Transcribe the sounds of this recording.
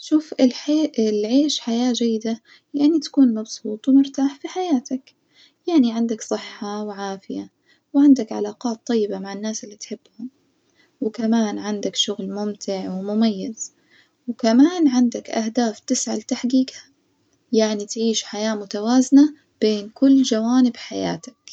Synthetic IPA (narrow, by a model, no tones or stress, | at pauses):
ʃuːfɪlɪlʕeːʃħajaːd͡ʒajːɪd̪a | jaʕnit̪ḁkuːnmɑbsˤuːt̪ˤwmʊɾt̪aːħfiħajaːt̪ak | jaʕniʕɪnd̪aksˤɨħːɑwɪʕaːfɪja | wʕɪnd̪akʕa̰laːqɑːt̪ˤːɑjːɪbamaʕɪnːaːsɪlːit̪ħɪb̥ːhʊm | wɪkamaːnʕɪnd̪akʃʊɣlmʊmt̪ʰɪʕwɪmʊmajːɪz̥ | wɪkamaːnʕɪnd̪akʔahd̪aːft̪ɪsʕa̰lt̪aħɡiːkha | jaʕnit̪ʕiːʃħajaːmʊt̪awaːzna | b̥eːnkʊlːd͡ʒawaːnɪbħaja̰ːt̪ḁk